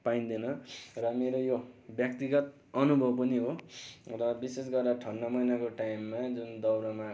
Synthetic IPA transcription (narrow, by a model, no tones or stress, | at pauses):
paĩnd̪inʌrʌmeɾojobjʌk̚t̪iɡʌt̪̚ | ʌnubʱʌbpʌniɦorʌbises̬ɡʌrd̪aʈʰʌnːʌmʌjnakoʈajmːad͡zund̪ʌwɾʌma